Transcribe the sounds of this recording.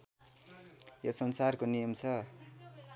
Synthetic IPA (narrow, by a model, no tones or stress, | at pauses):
jʌsʌnsarkonijʌmt͡sʰʌ